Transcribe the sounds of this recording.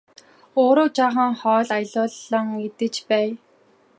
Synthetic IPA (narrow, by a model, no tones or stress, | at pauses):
oːɾoːt͡ɕaːχə̆ŋχɔːɮajɮʊːɮɔ̆ŋet̪ɘ̆t͡ɕpæː